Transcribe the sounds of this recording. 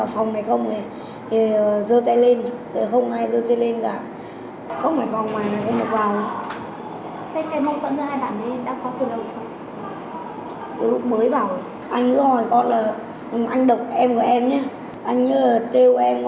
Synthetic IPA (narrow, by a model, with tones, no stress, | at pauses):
aː˨˩fɔ˨˩wŋ͡mna˨˩jxə˧wŋ͡me˨˩ | t̪e˨˩əː˨˩zəː˧t̪a˧jle˧nt̪e˨˩xə˧wŋ͡mʔaː˧jzəː˧t̪a˧le˧nka̰ː˧˩ | xə˧wŋ͡mnaː˨˩fwŋ͡mmaː˨˩jna˨˩jxə˧wŋ͡mɗɨ˨˩ə˩k̚vaː˨˩w | t̪ʰa˨˦jka˨˩˦mə˧wt̪wə̰˧˨nzɨ˧ɦaː˧jɓa̰ː˧˩nɗi˨˦˧ɗaː˧˥kɔ˨˦t̪ɨ˨˩nɗə˨˩ŋ͡msɔ˧ŋ͡m | ki˨˦lʊ˦˥k͡p̚məː˨˦jvaː˨˩w | ʔa˧jŋ̟kɨ̰˧˥əhɔ˨˩jkɔ˧˨nlaː˨˩˨ | ʔa˧jŋ̟ɗə˨˩wk͡p̚ʔɛ˧mkɔ˧˩ʔɛ˧mɲɛ˧˦ | ʔa˧jŋ̟ɨ̰˧˥laː˨˩t̪e˧wʔɛ˧m